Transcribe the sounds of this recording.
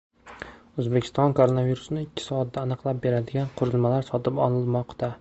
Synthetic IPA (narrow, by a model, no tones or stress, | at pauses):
ɵzbekʰʲɪ̥st̪ɒnkʰoɾonaviɾusnɪɪkʲʰːɪ̥sɒat̪̚d̪aːnɨqlˠap̚be̞ɾad̪ɪɡʲanqʰʊɾɪlˠmalaɾsɒt̪ʰɪpɒnɪlˠmɒqt̪a